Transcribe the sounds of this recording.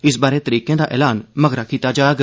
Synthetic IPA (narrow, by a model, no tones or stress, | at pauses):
ɪsbaːɾeːt̪əɾiːkẽːd̪aːʔɛ̰ːlaːnməɡɾakiːt̪ad͡ʒaːɡ